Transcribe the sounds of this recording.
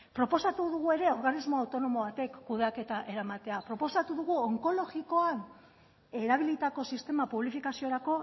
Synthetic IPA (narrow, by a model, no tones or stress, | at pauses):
pɾo̞po̞sat̪uðuɣ̞ue̞ɾe̞o̞ɾɣanizmo̞awt̪ono̞mo̞βat̪e̞kːuð̞eake̞t̪aʔe̞ɾamat̪e̞apɾo̞po̞sat̪uðuɣuoŋko̞lo̞ɣiko̞an | e̞ɾaβ̞ilit̪ako̞sist̪e̞mapuβlifikasio̞ɾako̞